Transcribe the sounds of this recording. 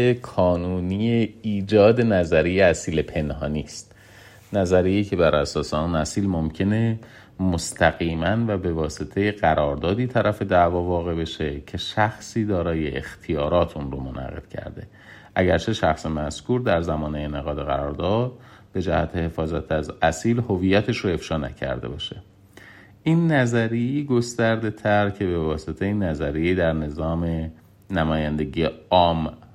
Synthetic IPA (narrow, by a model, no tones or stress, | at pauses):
ekʰɒːnuːnijeiːd͡ʒɒːd̪e̞næzæɾijeæsiːlepʰe̞nhɒːniːst̪ | næzæɾijicʰe̞bæɾʔæsɒːseunæsiːlmomcʰe̞ne | most̪ʰæɣiːmænvæbe̞vɒːse̞t̪ʰeje̞ɢæɾɒːɾd̪ɒːd̪iːt̪ʰæɾʔæfe̞d̪ævɒːvɒːɣe̞be̞ʃe̞cʰe̞ʃæxsiːd̪ɒːɾɒːje̞ʔḛxt̪ʰijɒːɾɒːt̪ʰʔunɾomo̞nʔæ̰ɣe̞̰d̪̥cʰæ̰ɾd̪e̞̰ | ʔæɟæɾt͡ʃʰe̞ʃæxsemæskuːɾd̪æɾzæmɒːnejeneɣɒːd̪eɣæɾɒːɾd̪ɒːd̪̥̚be̞d͡ʒæhæt̪ʰehe̞fɒːzæt̪ʰæzæsiːlhovijːæt̪ʰe̞ʃɾoe̞fʃɒːnæ̰cʰæ̰ɾd̪e̞bɒʃe̞ | ʔiːnːæzæɾijeiːɡo̞st̪æɾd̪e̞t̪ʰæɾcʰe̞be̞vɒːse̞t̪ʰejinːæzæɾijeiːd̪æɾne̞zɒːme | næmɒːjænd̪e̞ɟieɒːm